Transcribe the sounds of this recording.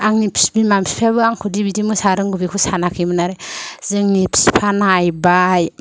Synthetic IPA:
aŋnipʰsbimamspʰaβɯaŋkʰudibidimɯsaɾɯŋɡubikʰusanakʰɯjmɯnaɾezɯŋnipʰspʰanajbaj

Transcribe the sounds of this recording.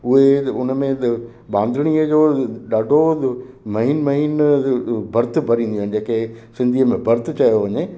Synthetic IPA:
ʊɦeʊnmẽ | ɓãːnd̪ʱɪɽ̃iːəd͡ʑoːɗaːɖʱo | mɐɦiːnmɐɦiːn | bʱɐɾt̪ʰbʱɐɾĩːn̆d̪iuaːɪ̃nd͡ʑeːkesɪ̃nd̪ʱiːəmẽbʱɐɾt̪ʰt͡ɕɐjoʋɐɲe

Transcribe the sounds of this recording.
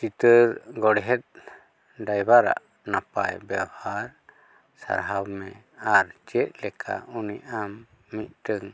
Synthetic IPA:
t͡ʃit̪əɾɡɔɽɦɛt̪̚ | ɖajbaɾa̰ʔ | napa̰jbawhaɾ | sa̰ɾɦawmɛ̃ | aɾt͡ʃɛt̪̚ˀlɛkʰa̰uniamː | it̪̚ʈəŋ

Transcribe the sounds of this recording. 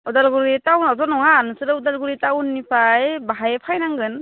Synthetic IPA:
udalɡuɾitawnɔzɔnɔŋanɯsɯɾɯudalɡuɾitawnːipʰajbaɦajepʰajnaŋɡɯn

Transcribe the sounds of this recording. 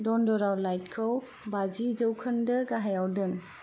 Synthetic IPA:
dɔndɔɾawlajt̚kʰəw | bazizəwkʰəndɯɡaɦajawdɯn

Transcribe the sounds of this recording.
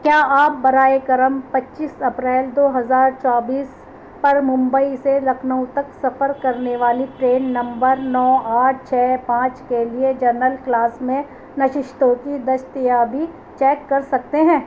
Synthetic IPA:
kjaːaːp̚bɐɾaːekɐɾəmpɐtːʃiːsɐpɾɛːld̪oːɦɐzaːɾt͡ʃaːbiːs | pɐɾmʊ̃mbəiseɾɐkʰnəũt̪ɐksɐfəɾkɐɾneʋaːliʈɾeːnːɐ̃mbəɾnɔːaːʈ̚ʰt͡ʃʰɛːpãːt͡ʃkelied͡ʒɐɾnəlklaːsmẽ | nɐʃɪʃt̪õkid̪ɐʃt̪ɪjaːbʱi | t͡ʃɛːkːɐɾsɐk̚t̪eɦɛ̃ː

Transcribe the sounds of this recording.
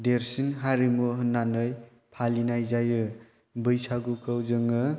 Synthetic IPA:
deɾsinɦaɾimuɦɯnːanɯj | pʰalinajzajɯ | bɯjsaɡukʰɯwzɯŋɯ

